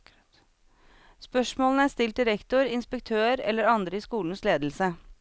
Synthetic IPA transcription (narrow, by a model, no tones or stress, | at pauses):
spœʂmoːlənəæst̪ɪlt̪̚d̪ɪɾɛkt̪ʊɾɪnspək̚t̪ʰøːɾɛ̰lːəɾɑnd̪ɾəɪːskuːln̩sleːd̪l̩sə